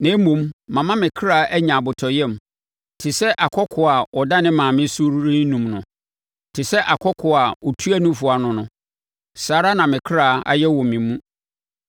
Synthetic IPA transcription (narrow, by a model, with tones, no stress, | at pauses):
nẽ˦mũ˨mːã˨mã˦mɪ̃˨kʰɾaː˨˦ʔæ˦ɲã˨bʊ˨tʰɔ˨jɛ̃˦m | tʰɪ˨sɛ˦ʔa˨kʰɔ˦kʰʊ˨a˨ɔ˨da˦nɪ̃˦mãː˨mɪ̃˦su˦ɾɾĩ˦nũ˨mnʊ̃˨ | tʰɪ˨sɛ˦ʔa˨kʰɔ˦kʰʊ˨a˨ɔ˨tʰu˦æ˦nũ˦fʊ˨˦a˨nʊ̃˨nʊ̃˨ | saː˨˦ɾa˦nã˨mɪ̃˨kʰɾaː˨a̰˦jɛ˦wɔ̃˨mɪ̃˨mːũ˦